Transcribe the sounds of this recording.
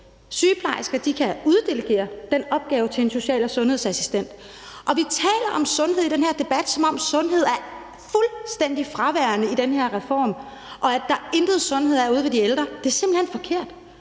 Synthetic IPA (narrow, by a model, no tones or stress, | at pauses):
syːpʰlɑ̈ɪsɡ̥ɐd̥ikʰæuð̞ˠd̥e̝ləɡ̥e̝̰ːɐd̥enɒ̽b̥̚ɡ̥ɛːʊt͡sʰe̝enso̝ɕɛ̰ːlɒsɔ̽nhe̝ðˠsæsi̥sd̥en̰d̥ | ʔɒ̽ʋit͡sʰɛ̰ːlɐʔɒ̽msɔ̽nɦeð̰ˠid̥enheɐ̰d̥e̝b̥æd̥sɒ̽mɒ̽msɔ̽nɦe̝ð̞̰ˠæɐ | fulsd̥en̰d̥ifʁɑ̈ʋæɐnəid̥enheɐʁɛfɒ̰ːm | ʔɒ̽æd̥ːɑ̈e̝nd̥ð̩ˠsɔ̽nhe̝ð̞̰ˠæɐuð̞̩ˠʋe̝d̥ield̥ʁɐd̥e̝æɐse̝m̥l̩henfɒ̽kʰe̝ɐ̰d̥